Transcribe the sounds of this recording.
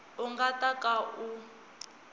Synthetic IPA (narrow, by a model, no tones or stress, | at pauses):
uŋɡatʼakʼaʔu